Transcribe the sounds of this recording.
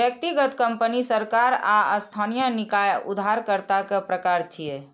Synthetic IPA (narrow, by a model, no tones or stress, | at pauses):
bjək̚t̪iɡət̪kəmpənisəɾkaɾaəst̪ʰanijənikajṵd̪ʱaɾkəɾt̪akepɾəkaɾt͡ʃʰije